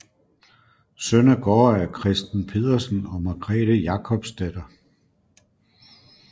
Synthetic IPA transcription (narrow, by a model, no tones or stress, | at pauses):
sønæɡ̥ɒ̰ːæɐkʰʁɛsd̥n̩pʰe̝ðˠɐsən̩ɒ̽mɑ̈ɡ̥ʁɛ̰ːd̥əjɑ̈kʰɒ̽b̥sd̥ed̥ɐ